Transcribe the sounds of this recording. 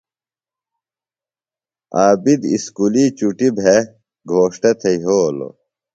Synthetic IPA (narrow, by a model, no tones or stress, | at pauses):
aːbid̪ḭskuliːt͡ɕuʈibʱe | ɡʱoːʂʈɐt̪ʰeiɦoːlo̰